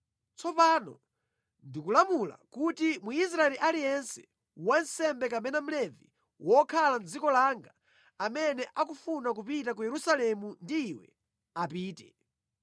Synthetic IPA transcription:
t͡sɔpaːnɔ | ndikulamula̰kutimuis̬ɾaɛliʔalijɛnsɛ̥ | wansɛmbɛkamɛnam̩lɛvi | wɔkʰaland͡zikɔlaŋɡa | amɛnɛʔakufunak̬upitak̬ujɛɾusalɛmundiːwɛ̰ | apiːtɛ

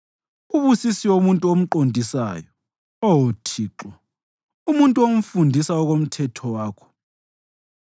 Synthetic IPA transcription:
uβusisiwomuntʼuom̩ǃondʱisa̰ːjɔ | ɔwotʰiːǁɔ | umuntʼuom̩fundʱisaɔɣom̩tʰɛtʰɔwaːkʰɔ̥

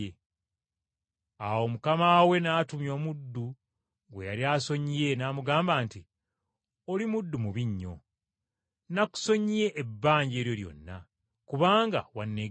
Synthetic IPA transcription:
e | awo̞mukamawe̞naːtumjo̞ːmudːu | ɡwe̞jaɾiaːso̞ɲije̞naːmuɡaːmbaːnti | olimudːumuβiɲːo̞̰ | naku̥so̞ɲije̞ʔːbːaːɲɟe̞ːɾjo̞ɾjo̞̰nːa̰ | kuβaːŋɡa̰wanːe

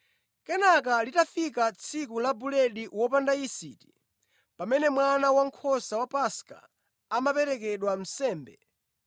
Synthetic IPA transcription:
kɛnak̬alitafikat͡sʰikulabulɛɗiwɔpandaisiti̥ | pamɛnɛmwanawaŋ̩kʰɔsawapaska̰ː | mapɛɾɛkɛɗwam̩sɛːmbɛ

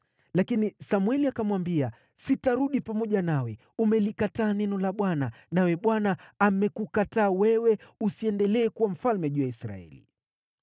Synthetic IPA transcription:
lakinisamwɛliakamwambia | sitaɾuɗipamɔʄanawɛ | umɛlikataːnɛnɔlaɓwana | nawɛɓwanaamɛkukataːwɛwɛusiɛndɛlɛːkuwam̩falmɛʄuːjaisɾa̰ɛ̰lḭ

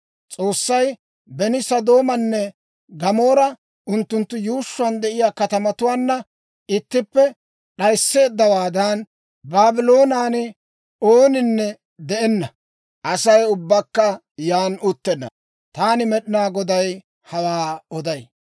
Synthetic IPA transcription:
t͡sʼo̞ːsːɐj | bɛnɪsɐd̪o̞ːmɐnːɛ | ɡɐmoːɾɐ | ʔʊnt̪ːʊnt̪ːʊjuːʃːʊwɐnd̪ɛʔɪjaːkɐt̪ɐmɐt̪ʊwaːnːɐ | ɪt̪ːɪpːɛ | ɗɐjsːe̞ːd̪ːɐwaːd̪ɐn | baːbɪlo̞ːnaːnɪ | oːnɪnːɛ | d̪ɛʔɛnːɐ | ʔɐsɐjʊbːɐkːɐ | jaːnʊt̪ːɛnːɐ̰ | t̪aːnɪmɛɗɪnaːɡɔd̪ɐj | hɐwaːɔd̪ɐj

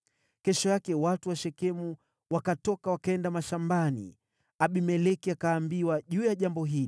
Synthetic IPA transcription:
kɛʃɔjakɛwatuwaʃɛkɛmu | wakatɔkawakaɛndamaʃambanḭ | aɓimɛlɛkiakaːmbiwaʄuːjaʄambɔɦili

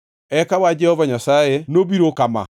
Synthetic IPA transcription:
ɛkawad͡ʒɛhɔvaɲasaenoβiɾokama̰

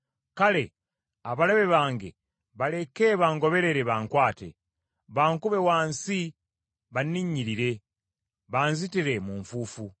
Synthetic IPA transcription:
kale̞ | aβaleβe̞βaːŋɡe̞̰ | βale̞ke̞βaːŋɡo̞βe̞ɾe̞ɾe̞βaːŋkwaːte̞̰ | βaːŋkuβe̞waːnsi | βaniɲːiɾiɾe̞ | βaːnzitiɾe̞muːɱfuːfu

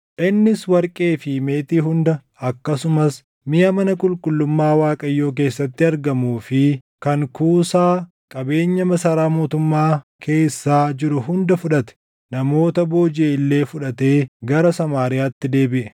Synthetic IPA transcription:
ʔɪnːɪswɐɾkʼe̞ːfɪme̞ːt̪iːɦʊnd̪ɐ | ɐkːɐsʊmɐs | mɪʔɐmɐnɐkʼʊlkʼʊlːʊmːaːwaːkʼɐjːo̞ːk̬e̞ːsːɐt̪ːɪɐɾɡɐmuːfɪ | kɐŋkuːsaː | kʼɐbe̞ːɲːɐmɐsɐːɾaːmo̞ːt̪ʊmːaːkʰe̞ːsːaːd͡ʒɪɾʊɦʊnd̪ɐfʊᶑɐt̪ɛ̥ | nɐmo̞ːt̪ɐbo̞ːd͡ʒeːɪlːe̞ːfʊᶑɐt̪e̞ːɡɐɾɐsɐmaːɾɪjaːt̪ːɪd̪e̞ːbɪʔɛ

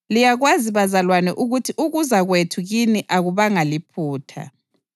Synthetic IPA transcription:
lijaɣwaziβazalwanɛʔuɣutʰiʔuɣuzaɣwetʰuɣiniʔaɣuβaŋalipʰuːtʰa̰

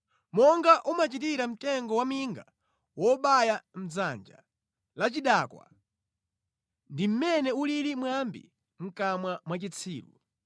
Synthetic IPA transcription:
mɔŋɡaʔumat͡ʃitiɾam̩tɛŋɡɔwamiŋɡa | wɔɓajam̩zand͡ʒa̰ | lat͡ʃiɗakwa̰ | ndim̩mɛnɛuliɾimwambḭ | ŋ̩kamwamwat͡ʃit͡sʰiːlṵ

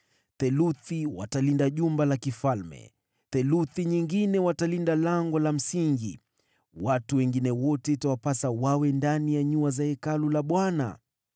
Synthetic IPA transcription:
θɛluθiwa̰talindaʄumbalakifalmɛ̰ | θɛluθiɲiŋɡinɛwatalindalaŋɡɔlam̩siŋɡḭ | watuwɛŋɡinɛwɔtɛtawapasawawɛndanijaɲuazaɛkalulaɓwana̰

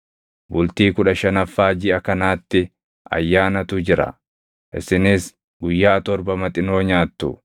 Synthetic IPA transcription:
bʊlt̪iːkʊᶑɐʃɐnɐfːaːd͡ʒɪɐkɐnaːt̪ːɪ | ɐ̰jːaːnɐt̪ʊd͡ʒɪɾɐ̰ | ʔɪ̰sɪnɪs | ɡʊjːaːt̪ɔɾbɐmɐt̪ʼɪno̞ːɲaːt̪ːʊ̰

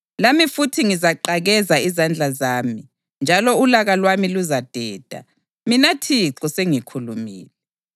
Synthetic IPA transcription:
lamifutʰiŋizaǃaɣɛzaizand͡ɮʱazaːmi | nd͡ʒʱalɔulaɣalwamiluzad̥ʱɛːd̥ʱa̰ | minatʰiǁɔseŋikʰulumḭːlɛ

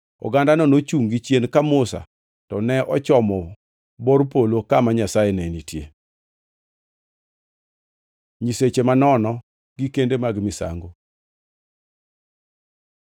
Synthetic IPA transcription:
ɔ̰ɡandanɔnot͡ʃuŋɡit͡ʃjenkamʊsa̰ | tɔnɛʔɔt͡ʃɔmɔ | bɔɾpolokamaɲasajenɛnitjḛ | ɲiset͡ʃemanɔnɔ | ɡikendemaɡmisa̰ŋɡo

